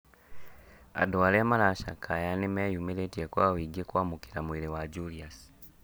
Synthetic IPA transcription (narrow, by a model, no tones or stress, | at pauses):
a̰dwalemalaʃa̰kʰajanemejumeletijakwaːwiɡekwaːmukiɾamuiɾewaɟulias